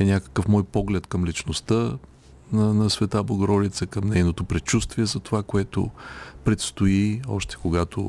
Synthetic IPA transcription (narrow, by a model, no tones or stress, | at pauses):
ɛnʲakə̥kəfmɔjpɔɡlɛt̪kəmlit͡ʃnost̪ə | nɐnɐsvɛt̪ablˠəɡoɾɔd̪it̪səkəmnɛjnot̪opɾɛt͡ʃust̪viɛzɐt̪ovakoɛt̪o̰pɾɛt̪st̪oiɔʃt̪ɛ̥koɡat̪o̰